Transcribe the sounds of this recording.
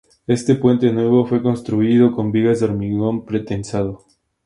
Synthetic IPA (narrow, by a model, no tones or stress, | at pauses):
e̞st̪e̞pwe̞nt̪e̞nwe̞β̞o̞fwe̞ko̞nst̪ɾuiðo̞ko̞mbiɣazd̪oɾmiɣo̞mpɾet̪ensað̞o